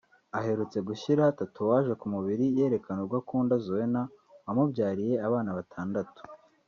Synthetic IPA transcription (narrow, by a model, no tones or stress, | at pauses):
aɦe̞ɾut͡se̞ɡuʃiɾatatuwaːʒekumuβiɾije̞ːɾe̞kanoɾɡwakuːndazowena | wamubɟaːɾije̞aβaːnaβatʰaːndatu̥